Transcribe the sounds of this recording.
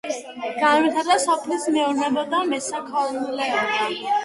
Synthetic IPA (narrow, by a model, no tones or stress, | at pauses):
ɡ̥anwit̪ʰaɾd̪asɔpʰlismɛuɾnɛbɔd̪amɛsakʰɔnlɛɔnt̪ʰa